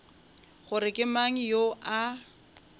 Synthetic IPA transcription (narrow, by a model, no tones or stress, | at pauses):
χʊɾɪkʼɪmaŋ̩joʔa